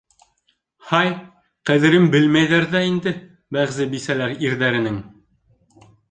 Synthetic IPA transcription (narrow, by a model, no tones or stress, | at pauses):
hɑj | qæðɘ̆ɾɘmbɘlmæjðæɾðæind̪ɘ | bæʁzɘbisælæɾiɾðæɾɘ̆nɘŋ